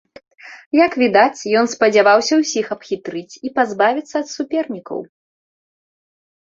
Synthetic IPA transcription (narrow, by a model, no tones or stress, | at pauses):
jɐkvʲid̪at͡sʲjɔnspɐd͡zʲavawsʲɐwsʲixɐpxʲit̪ɾɨt͡sʲipazbavʲit̪sːɐɐt̪supʲɛrnʲikɐ̰w